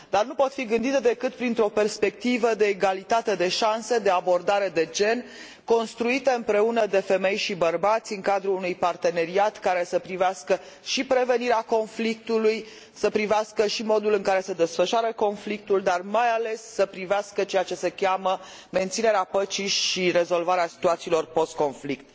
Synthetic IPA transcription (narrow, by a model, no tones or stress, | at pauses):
d̪arnupo̞t̪fiɡɨnd̪it̪ed̪e̞kɨt̪̚pɾint̪ɾo̞pe̞rspe̞k̚t̪ivəd̪e̞ːɡalit̪at̪e̞d̪e̞ʃanse̞d̪e̞abo̞rd̪aɾe̞d̪e̞d͡ʒe̞n | ko̞nst̪ɾuit̪e̞ɨmpɾe̞unəd̪e̞fe̞me̞jʃibərbat̪sʲɨŋkad̪ɾuunujpart̪e̞ne̞ɾiat̪kaɾe̞səpɾiveaskə | ʃipɾe̞ve̞niɾeako̞nflik̚t̪uluj | səpɾiveaskəʃimo̞d̪ulɨŋkaɾe̞se̞d̪e̞sfəʃaɾəko̞nflik̚t̪uld̪armajale̞sːəpɾiveaskət͡ʃe̞at͡ʃe̞se̞kʲamə | me̞nt̪sine̞ɾeapət͡ʃiʃire̞zo̞lvaɾeasi̥t̪uat̪siːlo̞rpo̞st̪̚ko̞nflik̚t̪